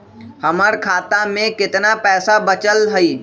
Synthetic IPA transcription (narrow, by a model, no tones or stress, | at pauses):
hɐməɾkʰaːt̪amẽkɪt̪napɛːsabət͡ʃəlɦəiː